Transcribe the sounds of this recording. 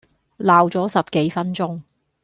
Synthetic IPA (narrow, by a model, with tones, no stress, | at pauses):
laː˨wt͡sɔː˨˥sɐ˨p̚ke˨˥jfɐ˥nt͡sʊ˥ŋ